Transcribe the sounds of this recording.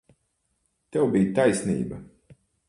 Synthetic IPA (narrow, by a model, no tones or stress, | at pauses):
t̪ɛwbiːjt̪ajsʲnḭːbɐ